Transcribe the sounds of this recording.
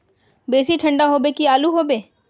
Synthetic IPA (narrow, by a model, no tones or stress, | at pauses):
beːsiʈʰə̃ɳɖaɦoːbekiaːluɦoːbeː